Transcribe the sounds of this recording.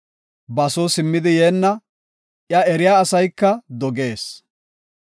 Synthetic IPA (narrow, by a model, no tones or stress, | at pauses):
bɐsoːsɪmːɪd̪ɪjeːnːɐ | ʔjɐɛɾɪjaːsɐjkːɐd̪ɔɡe̞ːs